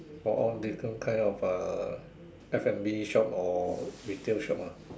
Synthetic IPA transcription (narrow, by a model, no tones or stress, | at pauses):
fɔʔɔldifkʰə̃nkʰãɪ̃nɔfə | ɛfɛ̃mbiʃɔp̚ɔɹitelʃɔp̚a